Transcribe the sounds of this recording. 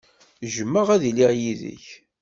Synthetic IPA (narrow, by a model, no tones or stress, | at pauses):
ʒəmːəʁæðiliʕjiðə̰ç